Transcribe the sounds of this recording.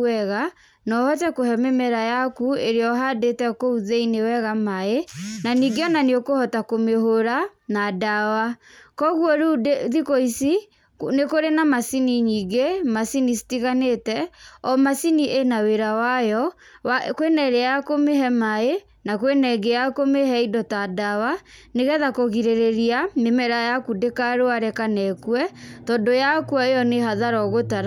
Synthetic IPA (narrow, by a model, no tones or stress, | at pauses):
ɛɣa | nɔhɔtɛkohɛmemɛɾajakueɾeɔɦadetɛkouðeinewɛɣamaenaniɡeɔnaniokohɔtakomehoɾanadawakɔɣwɔɾuðikoisi | nekoɾenamasiniɲiːɡemasinisi̥tiɣanetɛɔmasiniʔenaweɾawajɔ | kwenɛɾeakomeɦɛmae | nakwenɛɡejakomeɦɛidɔtadawa | neɣɛðakoɣiɾeɾeɾianemɛɾajakudekaɾoaɾɛkanɛkwɛtɔndojakwɔejɔneɦaðaɾɔɣotaɾa